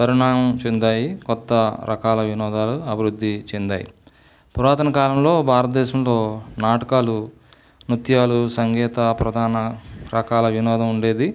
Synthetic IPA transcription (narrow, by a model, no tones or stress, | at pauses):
pɐɾiɳaːmɐmt͡ʃend̪aːjikɔt̪ːɐɾʔɐ̰kaːlɐʋinɔːd̪aːluɐbʱiɾud̪ːit͡ʃend̪aːjḭ | puɾaːt̪ɐnɐkaːlɐmlo̞ːbʱaːɾɐt̪ɐd̪ɛːʃɐmlo̞ːnaːʈɐkaːlu | nut̪jaːlusɐŋɡɛːt̪ɐpɾɐd̪ʱaːnɐɾɐkaːlɐʋinɔːd̪ɐmuɳɖe̞ːd̪i